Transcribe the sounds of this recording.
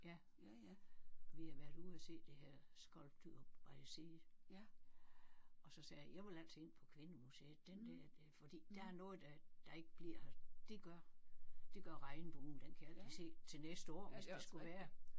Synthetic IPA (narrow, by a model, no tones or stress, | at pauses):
jæ | ʋihæʋæɐ̰d̥uðˠæse̝̰ːd̥e̝heɐ̰sɡ̥ɒlb̥d̥y̰b̥ʋɑjæsiː | ʔɒ̽sɒ̽sɛːjæjæɪʋɑlæl̰t͡sʰee̝n̰pʰɒ̽kʰʋenəmuseːd̥end̥æɐ̰d̥efɒ̽d̥ḭːd̥ææɐnɔ̽ːð̞̩ˠd̥æd̥ɑ̈e̝ɡ̥əb̥liɐ̰hd̥e̝ɡ̥ɶɐd̥e̝ɡ̥ɶɐʁɑ̈ɪnəb̥ound̥enkʰælɐd̥ise̝̰ːt͡sʰe̝lnesd̥əɒ̰ːsd̥esɡ̥uʋæːɐ